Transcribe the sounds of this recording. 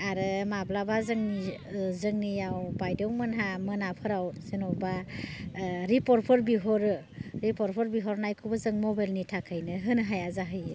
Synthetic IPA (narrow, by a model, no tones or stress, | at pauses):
aɾɯmablabazɯŋni | zɯŋnijawbajdɯwmɯnɦamɯnapʰɯɾawsenɔba | ɾipɔɾpʰɔɾbiɦɔɾɯ | ɾipɔɾpʰɔɾbiɦɔɾnajkʰubɯzɯŋmɔbajlnitʰakʰɯjnɯɦɯnɦajazaɦɯj